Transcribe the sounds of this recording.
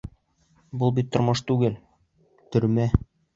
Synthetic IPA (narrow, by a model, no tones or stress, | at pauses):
bulˠbit̪ːŏɾmɤʃt̪ʉɡɘl | t̪ɵ̆ɾmæ